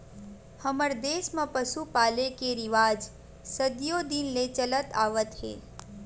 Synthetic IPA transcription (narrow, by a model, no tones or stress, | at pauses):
həməɾd̪eːsmãpəsupaːlekeɾɪʋaːd͡ʒ | səd̪jod̪inlet͡ʃələt̪aːʋət̪ɦḛː